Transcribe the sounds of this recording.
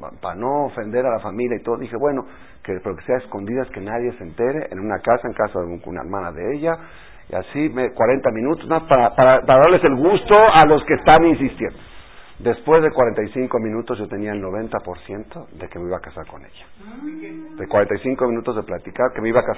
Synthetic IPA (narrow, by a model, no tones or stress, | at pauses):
panoofe̞nd̪e̞ɾalafamiljait̪o̞ðoðixe̞βwe̞no̞ | kepeɾokeseaesko̞nd̪iðaeske̞naðje̞sent̪e̞ɾe̞ʔenunakasaeŋkasaðeuṵna̰ḛɾmana̰ðeeʝa | ia̰simekwaɾe̞nt̪amĩnut̪ozmapaɾapaɾapaɾaðaɾle̞se̞lɣust̪o̞alo̞skest̪aninsist̪jend̪o | d̪e̞spwe̞zðe̞kwaɾent̪ajsiŋko̞mĩnut̪o̞zʝo̞t̪e̞niaelno̞β̞e̞nt̪apo̞ɾsje̞nt̪o̞ðe̞kemeiβakasaɾko̞nḛʝḁ | ðekwaɾent̪ajsiŋkomĩnut̪o̞zðe̞plat̪ikaɾkemeiβaka